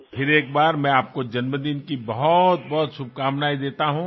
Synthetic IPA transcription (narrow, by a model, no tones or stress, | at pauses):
pʰɪɾeːk̚baːɾmɛ̃aːp̚kod͡ʒɐnməd̪inkibɐɦʊt̪̚bɔɦʊt̪sʊb̚ʱkaːmnaːid̪eːt̪aɦũː